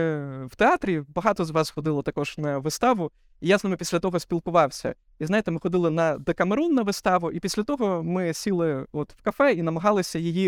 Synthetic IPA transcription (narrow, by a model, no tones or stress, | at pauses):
w̥t̪eɑt̪ɾʲibɐɦɑt̪ɔzʋɑsxɔd̪ɪlˠɔt̪ɐkɔʒ̥nɐʋɪst̪ɑʋʊ | ijasmɪpʲisʲlʲɐt̪ɔɦɔsʲpʲilˠkʊʋɑwsʲɐ̰ | izajɪt̪ɛmɪxɔd̪ɪlˠɪnɐd̪ekɐmeɾunːɐʋɪst̪ɑʋʊʔipʲisʲlʲɐt̪ɔɦɔmɪsʲilˠɪɔt̪w̥kɐfɛinɐmɐɦɑlˠɪsʲɐjɪji